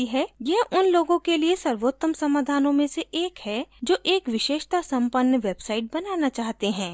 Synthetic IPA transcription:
iɦɛːjeɦʊnloːɡõkeliesɐɾʋoːt̪ːəmsɐmaːd̪ʱaːnõmẽseʔeːkhɛd͡ʒoːʔeːkʋɪʃeːʃt̪asɐ̃mpənːəʋeːbsaːɪʈ̚bɐnaːnat͡ʃaːɦt̪eɦɛ̃ː

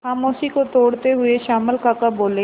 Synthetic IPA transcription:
xaːmoːsikot̪oːɽt̪eɦʊeʃaːməlkaːkaboːlẽː

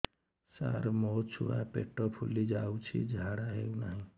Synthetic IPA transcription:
sa̰ɾmɔt͡ʃʰṵɽapḛʈːɔpʰulid͡ʒawt͡ʃʰḭd͡ʒʱaɽaɦeunaɦĩ

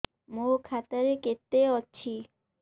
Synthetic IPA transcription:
mokʰat̪aɾeket̪ːeɔtːɕʰi

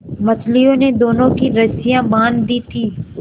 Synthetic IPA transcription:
mət͡ʃlijõːneːd̪oːnõkiɾəsɪjãːbaːnd̪iːt̪ʰiː

